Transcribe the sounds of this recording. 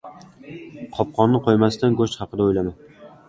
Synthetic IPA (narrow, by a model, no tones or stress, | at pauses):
qʰɒp̚qʰɒnːɪqʰojmast̪anɡoʃt̪χɑqɨd̪aojlaman